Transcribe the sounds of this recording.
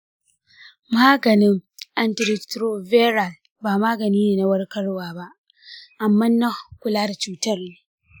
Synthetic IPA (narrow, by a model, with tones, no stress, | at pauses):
maː˦ɡɐ˨nɪ˦ŋʔa˨ntɪ˨ɾɪ˨tɾo˦ve˦ɾa˨l | baː˨maː˦ɡɐ˨niː˦neː˨na˦wɐ˦rkɐ˦ɽwaː˨ba˦ʔ | ʔa˨mːɐ˦nːa˦kʷʊ˨laː˦da˨t͡ʃuː˦tɐ˦rneː˦